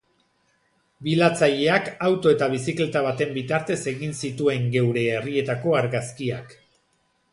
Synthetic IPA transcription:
bilat͡saʎe̞akawt̪o̞e̞t̪aβ̞isikle̞t̪aβ̞at̪e̞mbit̪aɾt̪e̞se̞ɣinsit̪ue̞ŋɡe̞wɾe̞ːrie̞t̪ako̞aɾɣaskiak

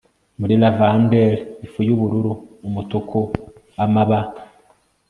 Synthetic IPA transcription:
muɾilavandeɾifujuβuɾuɾuːmutukʰu | amaβa

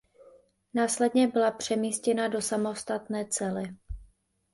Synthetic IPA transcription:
naːslɛdɲɛbɪlapr̝̥ɛmiːscɛnado̞samo̞st̪at̪nɛːt͡sɛlɪ

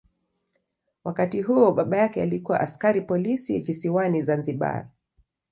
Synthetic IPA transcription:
wakatiɦuɔɓaɓajakɛalikuwa̰ʔaskaɾipɔlisivisiwanizanziɓa̰

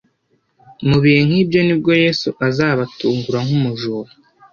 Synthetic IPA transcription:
muβihe̞ŋ̥hiːbjo̞nib̚ɡo̞je̞ːsuʔazaːβatuːŋɡuɾaŋhumuʒuːɾu

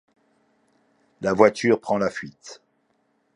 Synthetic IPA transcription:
lavwat̪yʁpχɑ̃lafɥit̪

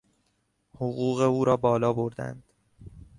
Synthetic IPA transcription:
hoɣuːɣe̞uːɾɒːbɒːlɒːboɾd̪æ̰nd̪̥

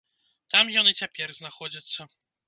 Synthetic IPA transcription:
t̪amjɔnɛt͡ɕʲɛpʲjɛɾznaxɔd͡ʑat̪sɛ

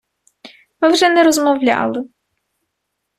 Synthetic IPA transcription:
mɪwʐɛnɛɾɔzmɔwlʲa̰lˠɪ

